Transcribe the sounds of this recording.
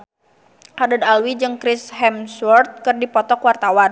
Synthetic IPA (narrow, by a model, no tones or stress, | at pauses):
hadad̪alwid͡ʒɨŋkɾɪsɦɛmswɔrt̪̚kɨrdipɔt̪ɔkwart̪awan